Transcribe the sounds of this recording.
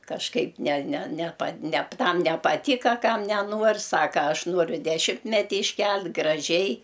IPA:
kɐʃˈkɐɪp nʲɛ nʲɛ nʲɛˈpɐ nʲɛp ˈtɐm nʲɛpɐˈtʲiːkɐ ˈkɐm nʲɛˈnuɔrʲ ˈsɑːkɐ ˈɐʃ ˈnuɔrʲʊ dʲɛˈʃʲɪmʲtʲmʲɛtʲɪ ɪʃʲˈkʲɛlʲtʲ ɡrɐˈʒʲɛɪ

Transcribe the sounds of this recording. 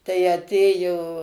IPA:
tɐɪ ɐˈtʲeːjoː

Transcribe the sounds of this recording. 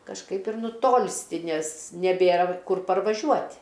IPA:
kɐʃˈkɐɪp ɪr nʊˈtoːlʲsʲtʲɪ ˈnʲɛs nʲɛˈbʲeːrɐ ˈkʊr pɐrʋɐˈʒʲuɔtʲ

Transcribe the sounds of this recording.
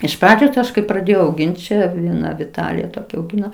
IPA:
ɪʃ ˈprɑːd͡ʒʲoːs ˈɐʃ kɐɪ prɐˈdʲeːjɛʊ ɐʊˈɡʲɪnʲtʲ t͡ʃʲɛ ʋʲiɛˈnɐ ʋʲɪˈtɑːlʲɪjɛ toːˈkʲɛ ɐʊˈɡʲɪnoː

